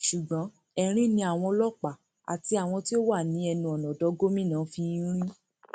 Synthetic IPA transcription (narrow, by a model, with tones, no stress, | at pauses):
ʃu˨ɡ͡bã˨˦ | ɛ˧˨ɾ̃ĩ˦nĩ˧a˨w̃ɔ̃˧lɔ˦˨k͡pa˨ | a̰˨ti˧a˨w̃ɔ̃˧ti˦o˦wa˦˨nĩ˨˦ɛ˧nũ˧ɔ˨nɔ̃˨dɔ˨˧˦ɡo˦mĩ˦˨nãː˨˦fi˧˦ɾ̃ĩ˦